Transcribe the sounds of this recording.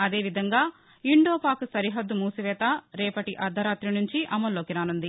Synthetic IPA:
ɐd̪e̞ːʋid̪ʱɐŋɡaː | iɳɖo̞ːpaːksɐɾiɦɐd̪ːumuːsiʋɛːt̪aːɾɛːpɐʈiʔɐd̪ʱɐɾaːt̪ɾinuɲt͡ʃiʔɐmɐlːoːkiɾaːnund̪i

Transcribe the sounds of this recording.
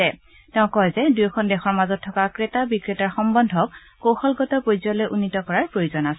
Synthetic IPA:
ɛ | tɛʊ̃kɔzɛdujkʰɔndɛxɔɹmazɔtʰːɔkakɹetabikɹetaɹxɔmbɔndʱɔk̚ː | owxɔlɡɔtɔpojzɔlojʔunːitɔkɔɹaɹpɹojozɔnas

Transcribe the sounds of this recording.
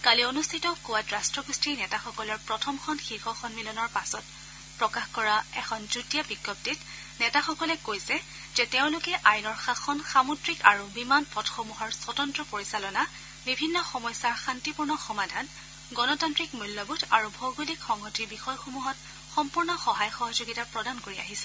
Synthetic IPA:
kalionustʰitɔkuwatɹastɹɔɡustiɹnɛtaxɔkɔlɔɹpɹɔtʰɔmkʰɔnxixɔxɔnmilɔnɔɹpasɔt | pɹɔkaxkɔɹaɛkʰɔnzutijabikːɔp̚tit | nɛtaxɔkɔlɛkojsɛ | z̥ɛteʊ̃lʊkɛʔajnɔɹxaxʰɔnsamutɹikaɹubimanpʰɔtxomuɦɔɹsɔtɔntɹɔpoɹisalɔna | bibʱinːɔxɔmɔjsaɹxantipuɹnɔxɔmadʱan | ɡɔnɔtantɹikmulːɔbutʰaɹubʱɔwɡulikxɔŋɦɔtibixɔjxomuɦɔt̚ | xɔmpuɹnɔxɔɦajxɔɦɔzoɡitapɹɔdankoɹia̰ɦisɛ̥

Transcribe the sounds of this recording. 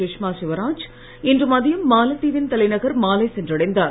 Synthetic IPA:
ɪʂmaːsɪʋɐɾaːd͡ʒ | ɛndrɯmaːðɪjɯmːaːlɐʈ̪ːiːʋɪnt̪ɐlɐɪnɐɣɐɾmaːlɐɪsɛndrɐɽɐɪnd̪aː

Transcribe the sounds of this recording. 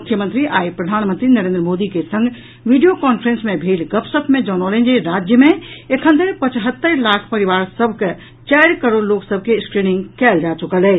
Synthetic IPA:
mukʰjəmənt̪ɾiʔaipɾəd̪ʱaːnmənt̪ɾinəɾẽnd̪ɾəmod̪ikesə̃ŋɡ | ʋiɖijokɔnpʰɾẽnsmẽbʱelɡəpsət̪ʰmẽd͡ʒɔnɔlẽnd͡ʒeɾad͡ʒjəmẽekʰə̃nt̪əɾpət͡ʃɦət̪ːəɾlakʰpəɾiʋaːɾsəbʱke | t͡ʃaɪɾkəɾoɽloksəb̚ʱkeskɾinĩŋɡkɛːld͡ʒat͡ʃukəlɛ

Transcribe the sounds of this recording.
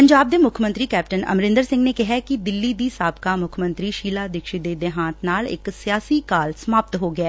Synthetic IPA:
pəɲd͡ʒaːb̚d̪eːmʊkʰmə̃nt̪ɾiːkɛːp̚ʈənə̰mɾɪ̃nd̪əɾsɪ̃ŋɡneːkɪɦɛkid̪ɪlːiːd̪iːsaːbkaːmʊkʰmə̃nt̪ɾiːʃiːlaːd̪ɪkʃid̪eːd̪eɦãːt̪ʰnaːlɪ̰ksijaːsiːkaːlsmaːp̚t̪ɦoːɡɪɛː

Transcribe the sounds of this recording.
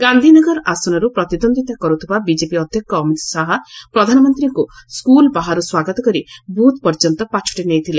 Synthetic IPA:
ɡand̪ʱinɔɡɔɾasɔnɔɾupɾɔt̪id̪ɔnd̪it̪akɔɾut̪ʰibabid͡ʒepiɔd̪ʱjɔkːɔmiʈsaɦɔpɾɔd̪ʱanɔmɔnt̪ɾiŋkuskulbaɦaɾuswaɡɔt̪ɔkɔɾibʱut̪pɔɾd͡ʒɔnt̪ɔpat͡ʃʰu̥ʈinejt̪ʰile

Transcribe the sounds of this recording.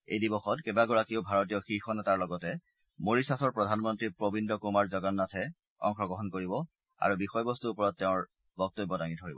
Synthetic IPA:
ḛjdibɔxɔtkɛbaɡɔɹakiobʱaɹɔtijɔxixɔnɛtaɹlɔɡɔtɛ | moɹisasɔɹpɹɔdʱanmɔntɹipɹobindɔkumaɹzɔɡɔnːatʰɛ | ɔ̰ŋxɹɔɡɔɦɔnkoɹibɔ | a̰ɹubixɔjbɔstuːpɔɹɔtːɛʊ̃ɹ | bɔk̚tobːɔdaŋidʱoɹibɔ

